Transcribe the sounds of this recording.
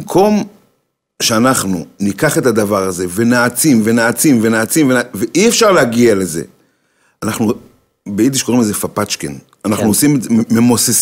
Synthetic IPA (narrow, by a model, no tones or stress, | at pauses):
mkʰo̞m | ʃeanaχnunikaχe̞tad̪avaʁaze̞venaːt͡simvenaːt͡simve̞naːt͡simvenaveʔiefʃaʁleaɡiale̞ze̞̰ | anaχnu | beid̪̬iʃkoimlezefapat͡ʃkḛn | anaχnuosimezememoses